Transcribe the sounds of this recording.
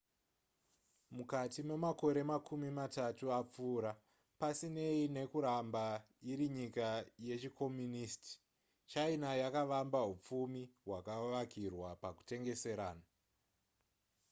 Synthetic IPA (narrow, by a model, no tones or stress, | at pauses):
mukatime̞mako̞ɾe̞makʰumimatatuap͡fuːɾa | pasine̞ine̞kuɾamba | iɾiɲikaje̞t͡ʃikʰo̞mjunisti̥ | t͡ʃainajakaʋambaɦup͡fumiɦwakaʋakirwapaku̥te̞ŋɡe̞se̞ɾaːna